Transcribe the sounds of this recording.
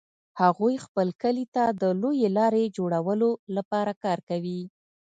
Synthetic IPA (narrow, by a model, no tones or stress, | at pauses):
haɣujxpəlkəlit̪ad̪əlojelɑɾed͡ʒoɽawəlolapɑɾakɑɾkawi